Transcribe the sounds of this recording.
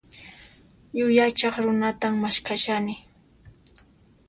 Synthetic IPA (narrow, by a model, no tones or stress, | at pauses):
jʊjat͡ʃɑχɾʊnat̪ammaʃkaʃanɪ